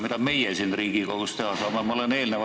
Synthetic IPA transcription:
mit̪ɑme̞jesiːnriːɡ̥ikoɡ̥ust̪ehɑsɑːmemɑoleneːlneʋɑ

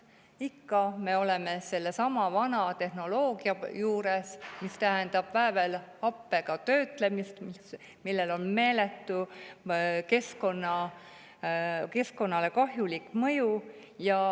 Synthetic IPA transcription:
ikːɑme̞o̞le̞me̞se̞lːesɑmɑvɑnɑt̪e̞hno̞lo̞ːɡ̥iɑjuːɾesmist̪æɦend̪̥ɑb̥væːve̞lɑpːe̞ɡ̥ɑt̪ø̞ːt̪ˑle̞mist̪mis | milːe̞lo̞nme̞ːlet̪ːˑu | ke̞sko̞nːɑ | ke̞sko̞nːɑle̞kɑɦjulikːˑmɤ̞ju | jɑ

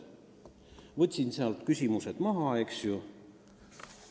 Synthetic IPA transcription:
vɤt̪ʲsinseɑlt̪kysʲimused̪̥mɑɦɑeksju

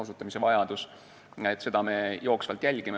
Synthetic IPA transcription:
osut̪ːˑɑmise̞vɑjɑd̪̥us | et̪ːˑse̞d̪̥ɑme̞jo̞ːksvɑlt̪jælʲɡ̥ime

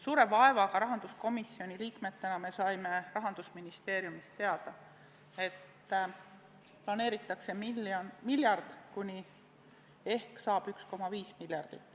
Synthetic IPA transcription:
suːɾe̞vɑe̞vɑkɑɾɑɦɑnd̪̥usko̞misːijo̞nʲiliːkme̞t̪ːe̞nɑme̞sɑjme̞rɑɦɑnd̪̥usminist̪e̞ːɾjumist̪t̪ːeɑd̪̥ɑ | e̞t̪ː | plɑne̞ːɾit̪ːˑɑkse̞milɑmiljɑrd̪̥kunʲi | e̞hksɑːb̥yksko̞mɑviːsmilʲjɑrd̪̥it̪ːˑ

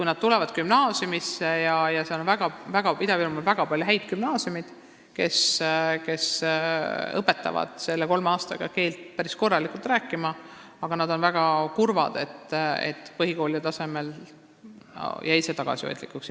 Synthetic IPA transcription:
kujnɑd̪̥̚t̪ulɛvɑd̪̥kymnɑːsjumisːejɑjɑse̞o̞nvæɡ̥ɑvæɡ̥ɑpid̪ɑvilumulvæɡ̥ɑpɑlʲjuɦæjd̪̚kymnɑːsiumid̪̥ | ke̞ske̞s | ɤpːe̞t̪ːˑɑ̰vɑ̰d̪̥se̞lːeko̞lmeɑːst̪ɑ̰ɡ̥ɑ̰ke̞ːlt̪pæɾisko̞rːɑlikult̪ræːkːˑimɑ | ɑɡ̥ɑnɑd̪̥o̞nvæɡ̥ɑkurvɑd̪̥e̞t̪ːḛt̪ːˑpɤɦiko̞ːliɑt̪ɑse̞me̞l | jʔɑise̞t̪ɑɡ̥ɑ̰sio̰jd̪̥lḭkːˑuks

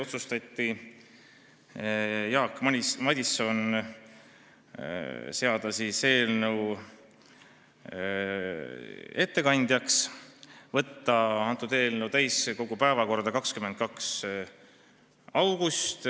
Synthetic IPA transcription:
o̞t̪sust̪ɑt̪ʲːi | jɑːkːmɑd̪ʲiso̞n | se̞ɑd̪̥ɑsise̞ːlnew | e̞t̪ːe̞kɑnʲd̪̥ʲjɑks | vɤt̪ːɑɑnt̪ːˑud̪e̞ːlnewt̪æjsko̞ɡ̥upæevɑko̞rd̪̥ɑkɑkskyment̪̚kɑks | ɑwɡ̥ust̪

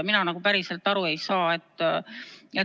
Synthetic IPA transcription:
minɑnɑɡupæɾise̞lt̪ːˑɑɾue̞jsɑːe̞t̪ːˑ | e

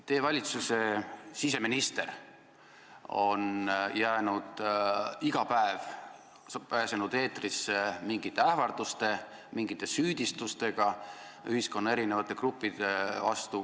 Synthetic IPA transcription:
t̪e̞ːvɑlʲit̪suse̞sis̬e̞minist̪e̞r | o̞njæːnud̪̥iɡ̥ɑpæev | pæːsenud̪e̞ːt̪risemiŋɡit̪ːˑe̞æhvɑrd̪̥ust̪e̞ | miŋɡit̪ːˑe̞syːd̪̥ist̪ust̪e̞ɡ̥ɑ | yhisko̞nːɑe̞ɾinevɑt̪ːˑe̞krupːid̪̥evɑst̪u

